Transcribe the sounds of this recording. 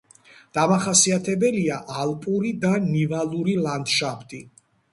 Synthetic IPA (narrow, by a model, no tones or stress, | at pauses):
d̪̥amaχasiat̪ʰɛbɛliaʔalˠpʼuɾid̪anivalˠuɾiland̪ʃapʰt̪ʼi